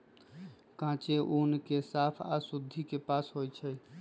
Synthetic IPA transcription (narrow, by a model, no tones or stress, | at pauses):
kãt͡ʃeʔonkesapʰa̰sud̪ʱːikepasɦojt͡ʃʰɛj